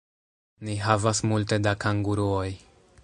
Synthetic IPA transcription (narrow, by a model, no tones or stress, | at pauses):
niɦavasmulte̞dakaŋɡuɾuo̞j